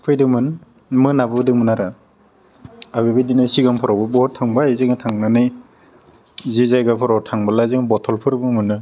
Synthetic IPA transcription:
pʰɯjdɯmɯn | mɯnabɯbdɯŋmɯnaɾa | abibɯjdinɯsiɡampʰɔɾawbɯbɔɦɔtʰaŋbajzeŋatʰaŋnanɯj | zizajɡapʰɔɾawtʰaŋbalazɯŋbɔtʰɔlpʰɯɾɯbɯmɯnːɯ

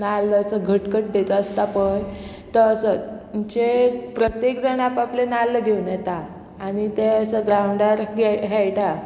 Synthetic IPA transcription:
nalːəəsəɡʱəʈkəʈ̚d̪et͡səəst̪apəɳ | t̪əɾəsə | t͡ɕepɾət̪jekd͡zəɳapaplenalːəɡʱeunjɛt̪aː | ɽ̃it̪eəsəɡɾawɳɖaɾɡʱɛɦɛjʈa

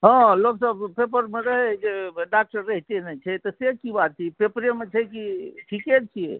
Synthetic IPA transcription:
ɦə̃loksəbpepəɾmeɾəɦɛd͡ʒeɖak̚ʈəɾːəɦt̪enɛt͡ʃʰɛt̪ɔsekibat̪̚t͡ʃʰipepɾemet͡ʃʰɛkiʈʰiket͡ʃʰijḛ

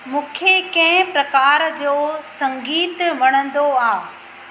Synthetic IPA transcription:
mũːkʰekɐ̃ɦɪ̃pɾɐkaːɾd͡ʑoːsɐ̃ŋɡiːt̪ʋɐɽ̃ə̃nd̪oaː

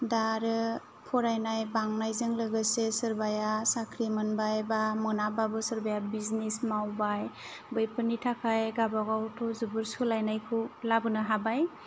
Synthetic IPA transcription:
daɾɯ | pʰɔɾajnajbaŋnajzɯŋlɯɡɯsesɯɾbajasakʰɾimɯnbajbamɯnababɯsɯɾbajabiznismawbaj | bɯjpʰɯnitʰakʰajɡabaɡawtʰɔzubɯɾsulajnajkʰɯwlabɯnɯɦabaj

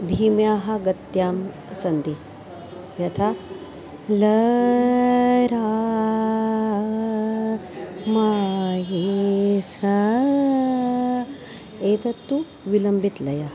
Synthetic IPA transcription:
d̪ʱiːmjaːɦɐ̆ɡɐt̪jaːm | sɐnd̪i | jɐt̪ʰa | lɐ | ɾaː | maɦisɐ | eːt̪ʰɐt̪ːu | ʋilɐmbʱit̪lɐjɐ

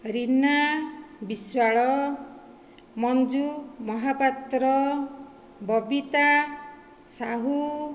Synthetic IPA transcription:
ɾinabiswaɭɔ | mɔnd͡ʒumɔɦapat̪ɾɔ | bɔbit̪a | saɦu

